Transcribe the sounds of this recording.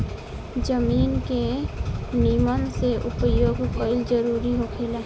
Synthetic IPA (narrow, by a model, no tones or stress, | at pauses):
d͡ʒəmiːnke | niməmseʔupəjoːɡkəɪld͡ʒəɾuːɾiɦokʰela